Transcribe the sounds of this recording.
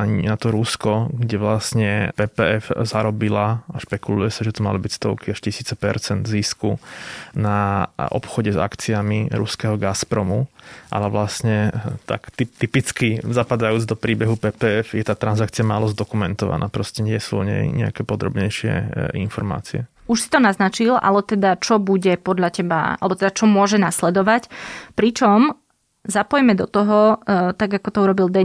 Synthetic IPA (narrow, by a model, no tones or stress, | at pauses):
aɲɛnat̪ɔɾuskɔɡɟɛʋlasɲɛpɛːpɛɛfzaɾɔbilaaʃpɛkulujɛsaʒɛt̪ɔma̰libicst̪ɔ̰ʊkiaʃcisiːt͡sɛpɛ̰ɾt͡sɛnd̪ziskunaʔɔ̰pxɔɟɛza̰kt͡siamiɾṵskɛɦɔɡaspɾɔmuʔa̰lɛʋlasɲɛt̪a̰kt̪it̪ipit͡skizapad̪ajuːd͡zd̪ɔpɾiːbɛɦupɛːpɛːɛfjɛt̪aːt̪ɾanzak̚t͡sijamaːlɔzd̪ɔkumɛnt̪ɔʋa̰na̰ːpɾɔscɛɲɪɛsuɔ̰ɲɛ̰jɲɛa̰kɛːpɔd̪ɾɔ̰bɲɛjʃɪɛ̰ḭnfɔɾma̰ːt͡siɛ | uʃsi̥t̪ɔnaznat͡ʃilʔa̰lɛt̪ɛd̪at͡ʃɔbuɟɛpɔd̪ʎacɛba̰a̰lɛbɔt̪ɛd̪at͡ʃɔmʊɔʒɛnaslɛd̪ɔʋacpɾit͡ʃɔm | zapɔjmɛd̪ɔt̪ɔɦɔt̪aɡakɔt̪ɔuɾɔbild̪ɛ